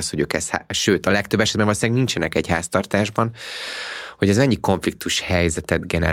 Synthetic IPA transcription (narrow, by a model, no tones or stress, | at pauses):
sho̞ɟøːkɛsha̰ʃøːt̪ɒlɛk̚t̪øbːɛʃɛd̪bɛmvoloslɛɡnint͡ʃɛnɛkɛɟhaːst̪ɒrt̪aːʒbɒn | ho̞ɟɛzmɛɲːiko̞ɱflik̚t̪uʃhɛjzɛt̪ɛd̪ɡɛnɛ̰